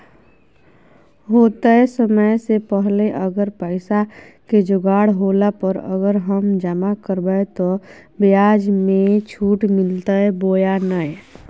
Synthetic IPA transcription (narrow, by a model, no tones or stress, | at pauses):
ɦoːt̪aɛsəməjsepəɦleʔəɡəɾpəɪsa | ked͡ʒʊɡaːɽɦoːlapəɾə̰ɡəɾɦəmd͡ʒəmakəɾbəet̪o | bijaːd͡ʒmẽt͡ʃʰuːʈmɪlt̪aɦɛboːjanəe